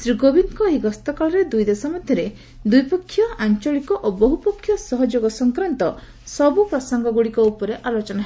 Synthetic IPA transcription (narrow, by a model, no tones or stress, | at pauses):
sɾikobinkɔɦiɡɔst̪ɔkɔɭɔɾed̪ujd̪esɔmɔd̪ʱjɔɾe | d̪ujpɔkʰːjɔant͡ʃɔɭikɔʔobɔɦupɔkʰːjɔsɔɦɔd͡ʒoɡɔsɔŋkɾɔnt̪ɔ | sɔbupɾɔsɔŋɡɔɡuɽikɔupɔɾeʔalot͡ʃɔnaɦe